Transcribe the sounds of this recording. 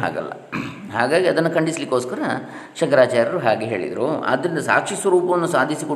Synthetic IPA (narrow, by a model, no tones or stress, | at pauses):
ɦa̰ːɡɐ̰lːɐ̰ | ɦaːɡaːɡiɐd̪ɐnːɐkɐɳɖislikːoːskɐɾɐ | ʃɐŋkɐɾaːt͡ʃaːɾɐɾuɦaːɡeɦe̞ːɭḭd̪ɾṵɐ̰d̪ɾind̪ɐsa̰ːkʂisʋɐɾuːpɐʋɐnːusaːd̪ʱisiko